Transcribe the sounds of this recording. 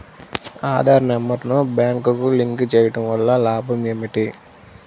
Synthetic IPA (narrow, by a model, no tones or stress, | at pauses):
aːd̪ʱaːɾɐɳɐmːɐʈɐnobjaːŋkukuliŋkt͡ʃɛːjɐʈɐmʋɐlːɐlaːbʱɐmemːiʈi